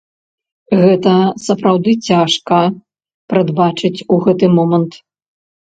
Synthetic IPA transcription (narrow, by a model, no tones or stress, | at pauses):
ɣɛt̪ɐsɐpɾawd̪ɨt͡sʲaʂkɐ | pɾɐd̪bat͡ʂɨt͡sʲuɣɛt̪ɨmɔmɐnt̪